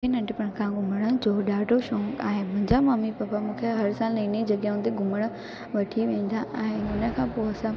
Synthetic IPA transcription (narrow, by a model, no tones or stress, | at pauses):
enɐ̃ɳʈɪpɐɽ̃kʰãɡʊməɽ̃ə̆d͡ʑoːɗaːɖoʃõːŋɡ̃ɪ̃mʊ̃ɦɪ̃ɲd͡ʑamɐmipɐpamũːkʰeɦɐɾsaːlnɐ̃inid͡ʑɐɠjaũːnd̪iɡʱʊməɽ̃ə̆ | ʋɐʈʰiʋẽːn̆d̪aɛ̃ːʊnə̆kʰãːpoɐsã